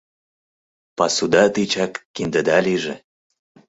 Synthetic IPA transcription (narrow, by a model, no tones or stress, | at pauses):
pɑsud̪ɑt̪it͡ɕɑkːind̪ə̆d̪ɑliʒĕ